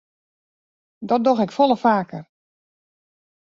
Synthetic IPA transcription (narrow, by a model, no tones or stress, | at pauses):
dɔt̚dɔxɪkfɔlˠəfaːkər